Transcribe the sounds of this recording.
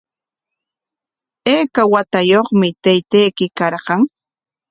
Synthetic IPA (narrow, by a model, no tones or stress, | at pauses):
eːkawat̪ajoχmɪt̪ajt̪ajkɪkɑɾɢɑŋ